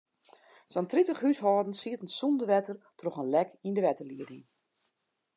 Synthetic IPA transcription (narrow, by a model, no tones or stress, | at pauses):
sɔntritəχhysɦɔːdn̩siətən̩sundəʋɛtərtroχənlɛkindəʋɛtərliədin